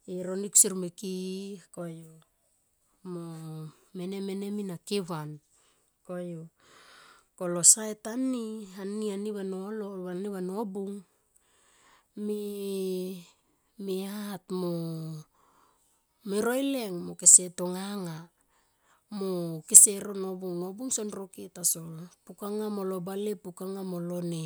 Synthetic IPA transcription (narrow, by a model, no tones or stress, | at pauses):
eɾoniku̥siɾmekikojo | mo | meneme̞ne̞minakeβan | kojo | kolosaetanianianiβanoloβaniβanobuŋ | me | meatmo | meɾojle̞ŋmokese̞toŋaŋa | mokeseɾo̞no̞buŋnobuŋsonɾoketasolpukaŋamolobalepukaŋamolo̞ne